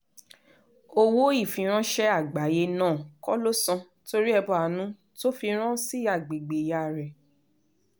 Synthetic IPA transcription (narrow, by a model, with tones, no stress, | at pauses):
o˧wo˦i˦˨fĩ˨˧ɾ̃ã˦ʃɛ˦a˦˨ɡ͡ba˨˦je˧nãː˦˨kɔ˦lo˦sã˧ | to˧ɾi˦ɛ˧bɔ˧˨a˨nũ˨˦ | to˦fi˧ɾ̃ã˦si˦a˦˨ɡ͡be˨ɡ͡be˨ja˧˨ɾɛ˨